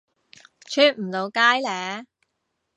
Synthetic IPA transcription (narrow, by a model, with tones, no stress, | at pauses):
t͡ʃʰyː˥n̚m̩˨˩lo˨˧wkaː˥jlɛː˨˧